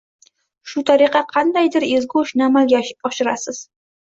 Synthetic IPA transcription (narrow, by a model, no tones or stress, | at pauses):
ʃʊt̪ʰaɾɪqɑqʰɑnd̪ajd̪ɪɾezɡoʃnɪamalɡʲaɒʃɪɾasɪz̥